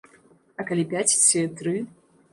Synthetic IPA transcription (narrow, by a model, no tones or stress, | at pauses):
ɐkalʲipʲæt͡sʲsʲet̪ɾɨ